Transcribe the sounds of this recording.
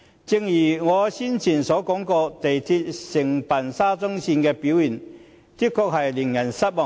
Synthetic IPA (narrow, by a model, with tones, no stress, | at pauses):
t͡sɪ˧ŋjiː˨˩ŋɔː˨˧siː˥nt͡sʰiː˨˩nsɔː˨˥kɔː˨˥ŋkɔː˧t̪e˨jt̪ʰi˧t̚sɪ˨˩ŋpɐ˨nsaː˥t͡sʊ˥ŋsiː˧nkɛː˧pi˨˥wjiː˨˩n | t̪i˥kʰɔ˧k̚hɐ˨jli˨˩ŋjɐ˨˩nsɐ˥t̚mɔ˨